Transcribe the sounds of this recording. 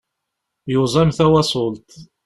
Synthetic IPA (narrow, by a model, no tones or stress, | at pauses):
jʊzˤɑmθæwɑsˤʊlt̪